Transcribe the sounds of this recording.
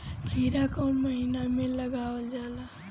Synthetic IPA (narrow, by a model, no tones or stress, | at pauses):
ɡʰʱiɾakoməɦinamẽləɡaəld͡ʒaːla